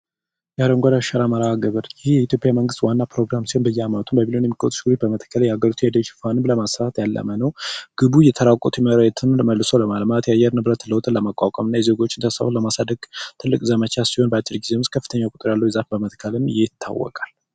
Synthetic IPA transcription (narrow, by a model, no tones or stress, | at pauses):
jaɾəŋɡʷad̪aʃaɾaməɾaɡəβəɾjɪhjɛit̪ʰjo̞pʼjaməŋɡɨst̪wanːapʰɾo̞ɡɾamsihonbəjːamat̪ʰunbəbilo̞njɛmːikʼət̪ʼʃɡɨɾut̪bəmət̪ʰə̥kʰːəljɛaɡəɾit̪ʰujad̪ət͡ʃːfanɨbləmasaat̪jalːə̰mənəwɡ̥ɨbujɛt̪ʰəɾakʼot̪ʰjɛməɾaɛt̪ʰɨnɨlməlːɨsowləmalmat̪jajːɛɾnɨbɾət̪ləwt̪ʼɨnləmakʼakʷʼəmɨnːajɛze̞ɡo̞t͡ʃːɪnt̪ʰəsa̰holəmasad̪əɡ̥t̪ʰɨlːɨkʼzəmət͡ʃʰasiho̞nbəat͡ʃʼːɪlɡizewmʊskʰəfːɨ̥t̪ʰəɲːakʼʊt̪ʼɨɾjalːəwjɛzafbəmət̪kʰːəlɨmjɛɪt̪ʰːa̰wːɔ̰kʼal